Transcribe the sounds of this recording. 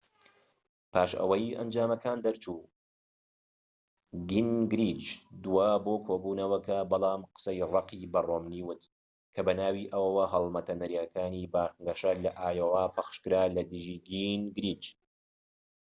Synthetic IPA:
pʰaːʃɐ̰wɐjɐ̰nd͡ʒaːmɐkʰaːnd̪ɐɾt͡ʃuː | ɡinɡɾiːt͡ʃd̪uwaːboːkʰoːbuːnɐwɐkʰɐbɑlˠɑːmqə̥sɐjrɑqiːbroːmniːwʊt̪ | kʰɐbɐnaːwiːʔɐwɐwɐɦɐlˠmɐt̪ʰɐnɐɾiakaːniːbaːŋɡɐʃalɐʔaːjowaːpʰɐxʃkɨɾaːlɐd̪ɨʒiːɡinɡɾiːd͡ʒ

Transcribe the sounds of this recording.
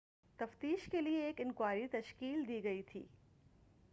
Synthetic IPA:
t̪ɐft̪iːʃkelieːkɪnkwaːɾit̪ɐʃkiːld̪iɡɐit̪ʰḭː

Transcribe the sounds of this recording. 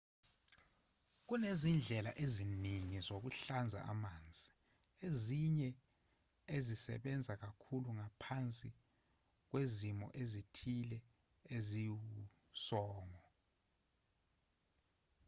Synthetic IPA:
k̬unezind͡ɮʱɛla̰ʔeziniŋizok̬uɬand͡zʱa̰ʔa̰maːnd͡zʱi | eziɲɛ | ezisɛ̰ɓɛnd͡zʱak̬akʰuluŋapʰant͡sʼi | k̬wezimɔ̰ʔezitʰilɛ | ezi | sɔːŋɔ

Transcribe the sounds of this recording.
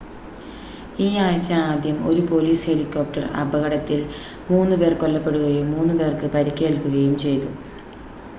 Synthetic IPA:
iːaːɻt͡ɕːɐaːd̪jɐmo̞ɾupo̞liːshe̞likːoːp̚ʈɐrɐ̰bɐɣɐɽɐt̪ːil | muːnːɨpe̞ːrko̞lːɐpːe̞ɽuɣɐjumːuːnːɨpe̞ːrkɨpɐɾikʲːe̞ːlkuɣɐjumt͡ɕe̞jt̪u

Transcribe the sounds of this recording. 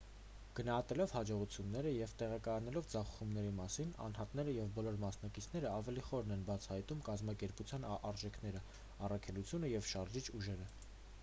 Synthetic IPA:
ɡ̥ənɑhɑt̪ɛlɔvhɑd͡ʒɔʁut͡sʰjunːɛɾəjɛvt̪ɛʁɑkɑjɑnɛlɔvd͡zɑχu̥χumnɛɾimɑsinɑ̰nhɑt̪nɛɾəjɛvbɔlɔɾmɑsnɑkit͡sʰnɛɾəɑvɛliχɔɾnɛnbɑt͡sʰɑhɑjt̪umkɑzmɑkɛɾput͡sʰjɑnɑɾʒɛkʰnɛɾə | ɑrɑkʰɛlut͡sʰjunəjɛvʃɑɾʒit͡ʃʰuʒɛɾə

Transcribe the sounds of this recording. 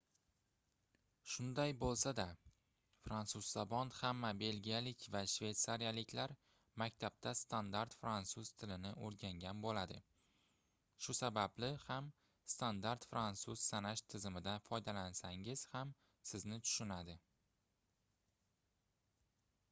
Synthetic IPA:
ʃʊnd̪ajbolˠsad̪a | fɾansuzːabɒnhamːabe̞lɡʲijalɪkʲvaʃve̞jt̪saɾijalɪkʲlaɾ | makʲt̪ʰab̥̚t̪ʰast̪ʰand̪aɾt̪fɾansuz̥t̪ʰɪlɪnɪʔoɾɡʲaŋɡʲanbolad̪ɪ | ʃʊsabablɪham | st̪ʰand̪aɾt̪fɾansuz̥sanaʃt̪ʰɪzɪmɪd̪anfɒjd̪alansaŋɪz̥ham | sɪznɪt̪ʰʊ̥ʃʊnad̪ɪ

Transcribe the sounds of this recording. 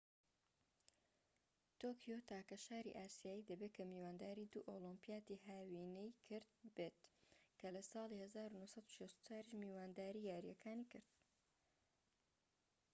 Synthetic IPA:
t̪oːkʰjot̪ʰaːkɐʃaːɾḭʔaːsijaːjid̪ɐbekʰɐmiːwaːnd̪aːɾiːd̪uːʔolɪmpijaːt̪iɦaːwiːnejkʰɨɾd̪beːt̪kʰɐlɐsɑːlˠihɐzaːɾunuhsɐd̪u̥ʃest̪u̥t͡ʃaːɾiʃmiːwaːnd̪aːɾiːjaːɾijɐkʰaːnikɨɾd̪̥̚

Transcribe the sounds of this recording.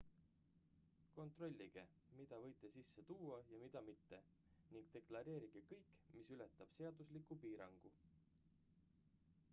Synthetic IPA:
ko̞nt̪ro̞lʲːiɡ̥e̞ | mid̪̥ɑvɤ̞jt̪ːˑe̞sisːe̞t̪uːɑjɑmid̪̥ɑmit̪ːe̞ | niŋɡ̥t̪e̞klɑɾe̞ːɾiɡ̥e̞kɤjkːmisylet̪ːˑɑb̥se̞ɑd̪uslikːˑupiːɾɑŋɡ̥u

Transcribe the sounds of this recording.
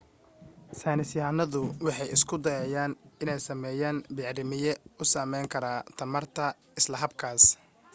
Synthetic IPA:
saːnɪsjaːnɐðʊwɑħɑjɪskʰʊd̪ɐjɛːjaːnɪnɛjsɐmɛːjaːnbɪʕɾɪmɪjɛʊsaːmɛjŋkʰɐɾaːt̪ʰɐmɐrt̪ʰɐ | ɪslɐɦɐbkʰaːs

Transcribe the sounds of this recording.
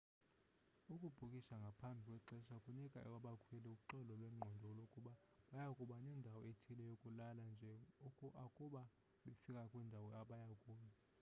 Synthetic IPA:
ukʼub̥ʱukʼiʃaŋɡʱapʰambʱikʼwɛǀɛʃakʼunɛkʼaʔɛwaɓakʰwɛlɛuǃɔlɔlwɛm̩ŋ͡ǃʱɔndʱɔlokʼuɓa | ɓajakʼuɓanɛndʱawɔetʰilɛjokʼulaland͡ʒʱɛkʼakʼuɓa | ɓefikʼakʼwɛndʱawɔaɓajakʼuːja

